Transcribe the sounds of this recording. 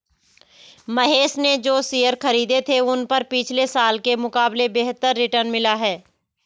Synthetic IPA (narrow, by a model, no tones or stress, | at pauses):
mɐɦeːʃned͡ʒoːsijəɾxɐɾiːd̪et̪ʰeʊnpɐɾpɪt͡ʃʰlesaːlkemʊkaːblebeːɦt̪əɾːɪʈəɾnmɪlaɦɛː